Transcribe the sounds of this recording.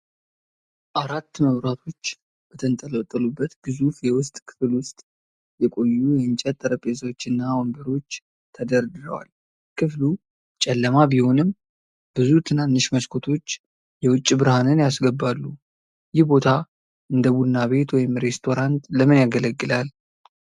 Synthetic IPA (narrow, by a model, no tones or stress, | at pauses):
ʔaɾat̪ːməβɾat̪ʰo̞t͡ʃː | b̥ət̪ʰənt̪ʼələt̪ʼːəlubːət̪ɡ̥ɨzufjɛwʊst̪ʼkʰɨ̥flwʊst̪ʼ | jɛkʼo̞jːujɛɨnt͡ʃʼɛt̪ʼːəɾəpʼeswt͡ʃːɨnːawombəɾo̞t͡ʃː | t̪ʰəd̪əɾd̪ɨɾəwa̰l | kʰɨflu | t͡ʃʼɛlːəmabiho̞nɨm | bɨzut̪ʰɨnanːɨʃməʃkʰo̞t̪ʰo̞t͡ʃː | jɛwʊt͡ʃʼːbɨɾhanɨnjasɡəbːalːu | jɪhbo̞t̪ʰa | ʔɨnd̪əβud̪ɨnaβe̞t̪wɔjɪmɾe̞st̪ʰo̞ɾant̪ləmɨnjaɡələɡːɨlal